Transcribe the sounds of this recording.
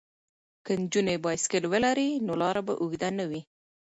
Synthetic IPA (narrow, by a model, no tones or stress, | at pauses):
kənd͡ʒunebɑjskəlwəlaɾinolɑɾaba̰ʔuɡd̪anəwi